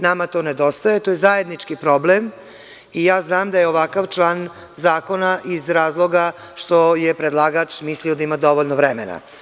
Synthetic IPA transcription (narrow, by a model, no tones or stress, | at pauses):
namat̪o̞ːned̪ost̪ajet̪oːjezajed̪nit͡ʂkipɾoblem | ijaːznaːmd̪ajeoʋakaʋt͡ʂlˠaːn | zaːko̞naʔizɾaːzlˠo̞ɡa | ʃt̪o̞jepɾed̪lˠaːɡat͡ʃmisliod̪aimad̪o̞ʋoʎnoʋɾɛmena̰